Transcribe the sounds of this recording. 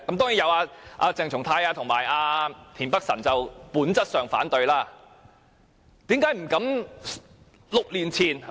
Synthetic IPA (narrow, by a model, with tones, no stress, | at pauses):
kɐ˦˥mt̪ɔː˥ŋjiː˨˥jɐ˨˧waː˧ʔa̰ː˧t͡sɪ˨˧ŋt͡sʰʊ˨˩ŋt̪ʰaː˧jaː˧t̪ʰʊ˨˩ŋmaː˨˩jaː˧t̪ʰiː˨˩npɐ˥k̚sɐ˨˩nt͡sɐ˨wpuː˨˥nt͡sɐ˥t̚sœː˨ŋfa̰ː˨˥nt̪ɵ˧ɥlaː˥˩ | t̪iː˨˥mkaː˨˥jm̩˨˩kɐ˨˥m | lʊ˨k̚liː˨˩nt͡sʰiː˨˩n